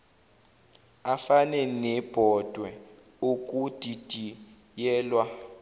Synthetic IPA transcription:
afanɛnɛb̥ʱɔd̥ʱwɛ | okʼud̥ʱid̥ʱi | jɛːlwa

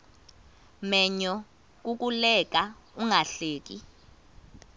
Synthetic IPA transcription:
mɛɲɔ | k̬ʼuk̬ʼulɛk̬ʼauŋaɬeːk̬ʼi

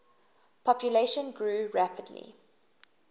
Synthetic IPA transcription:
pʰɔpʰjəleɪʃə̃nɡɹuːɹæpʰədlḭ

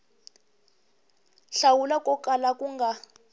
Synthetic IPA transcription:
ɬawulakʼɔkʼalakʼuŋɡʱa

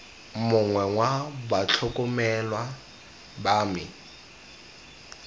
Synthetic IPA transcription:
mʊŋwɛŋwabat͡ɬʰʊkʼʊmɛlwa | baːmɪ

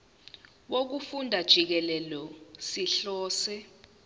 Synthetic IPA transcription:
wok̬ufundʱad̥ʒ̥ʱik̬ɛlɛlɔsiɬɔːsɛ

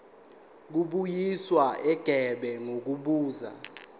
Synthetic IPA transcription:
k̬uɓujiswaʔɛɡ̥ʱɛɓɛŋok̬uɓuːza̰

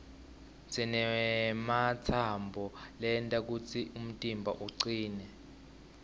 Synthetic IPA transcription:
t͡sʰɛnɛmat͡sʰambʱɔlɛntʼak̬ut͡sʰium̩tʼimbʱaʔuǀiːnɛ

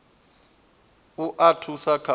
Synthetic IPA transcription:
uʔatʰusakʰa

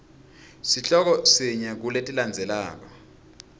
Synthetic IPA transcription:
siɬɔk̬ɔsiɲak̬uletʼiland͡zʱɛla̰ːk̬ɔ

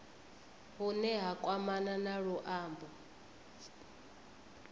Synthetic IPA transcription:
ɦunɛɦakʼwamananaɺuʔaːmbɔ

